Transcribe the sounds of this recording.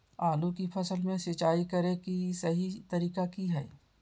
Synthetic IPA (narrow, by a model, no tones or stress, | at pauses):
aːlukipʰɐsəlmẽsɪt͡ʃaːikɐɾẽkisɐɦit̪ɐɾiːkakiɦɛː